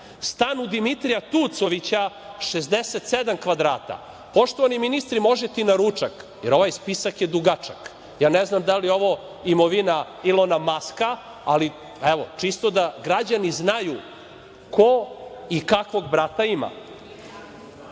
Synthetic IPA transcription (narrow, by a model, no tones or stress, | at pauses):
st̪anud̪imit̪ɾijat̪ut̪so̞ʋit͡ɕa | ʃezd̪eset̪sed̪amkʋad̪ɾaːt̪a̰ | po̞ʃt̪oʋaniminist̪ɾimo̞ʒɛt̪inaɾut͡ʂakjeɾo̞ʋajspisakjed̪uɡat͡ʂak | jaːneznamd̪alijɛo̞ʋo | imoʋina | ilˠonamaska | ali | eʋo̞t͡ʂist̪od̪aɡɾad͡ʑaniznaju | koikakʋo̞ɡbɾat̪aima̰